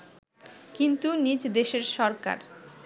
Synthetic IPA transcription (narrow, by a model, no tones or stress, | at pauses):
kint̪unid͡ʑd̪eʃeɾʃɔɾka̰ɾ